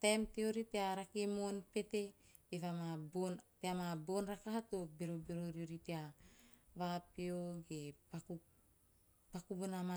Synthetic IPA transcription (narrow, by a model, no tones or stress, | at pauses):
tajmteoɾiteaɾakemonpe̞te̞ | evamabonteamabo̞nɾakaɦatobeɾobeɾoɾioɾitea | βapioɡepaku | pakubonama